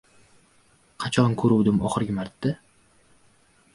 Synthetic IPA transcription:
qʰɑt͡ʃʰɒnkʰɵɾuwd̪ɪmɒχɨɾɡʲɪmaɾt̪ːɪ

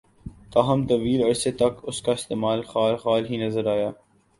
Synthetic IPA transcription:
t̪aːɦɐmt̪ɐʋiːlɐɾset̪ɐkʊskaɪst̪eːmaːlxaːlxaːlɦinɐzəɾaːjaː

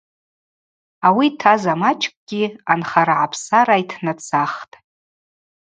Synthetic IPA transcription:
awitʰazamat͡ʃʼkʷʼɡ̥ʲianχaɾaʕapʰsaɾajtʰnat͡sʰaχtʼ

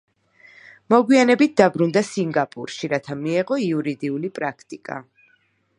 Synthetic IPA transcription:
mɔɡwianɛbit̪̚ʰd̪abɾund̪asiŋɡapʼṵɾʃiɾat̪ʰamiɛʁɔiuɾid̪iulipʼɾakʰt̪ʼikʼa̰

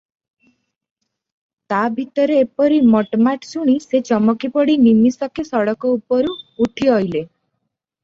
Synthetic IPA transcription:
t̪abʱit̪ɔɾeːpɔɾimɔʈmaʈsuɽ̃iset͡ʃɔmɔkipɔɽinimisɔkesɔɽɔkɔupɔɾuːʈʰiɔjle

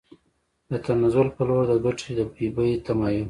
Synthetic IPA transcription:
d̪ət̪anazʊlpəloɽd̪əɡaʈ͡ʂʰed̪əbibəjt̪amɑjʊn

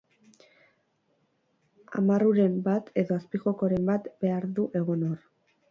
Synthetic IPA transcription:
a̰maruɾe̞mbat̪ʰe̞ðo̞aspiʝo̞ko̞ɾe̞mbat̪be̞aɾðuʔe̞ɣonor

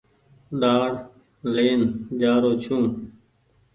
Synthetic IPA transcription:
ɗaːɽ | leːnd͡ʒaːɾoːt͡ʃʰũː

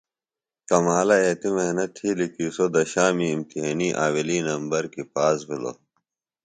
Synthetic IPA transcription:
k̪ɐmaːlɐeːt̪imeɦnɐt̪ʰhiːlikiːsod̪ɐɕaːmiːmt̪iɦeːniːʔaːwiliːnɐmbɐɾkipaːzbilo̰

